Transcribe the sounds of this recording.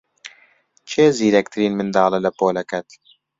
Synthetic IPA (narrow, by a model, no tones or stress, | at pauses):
t͡ʃʰeːziːɾɛkt̪ʰɨɾiːnmɨnd̪ɑːlɛlɐpoːlɛkɛt̪